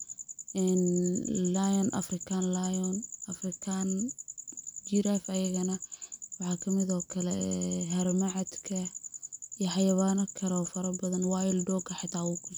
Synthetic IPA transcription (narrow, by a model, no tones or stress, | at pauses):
ɛːnlajɔnʔɐ̰frɪkʰaːnlajɔnɐfrɪkʰaːn | d͡ʒɪɾafɐjɐɣɐnɐwɑħɑːkʰɐmɪðɔːkʰɐlɛɦɐɾmɐʕɑd̪kʰɐ | ijħɑjɐβaːnɐkʰɐɾɔːfɐɾɐbɐðɐnwɑːjɪlɖɔːkʰɐħɑt̪ʰːaːwʊkʰʊ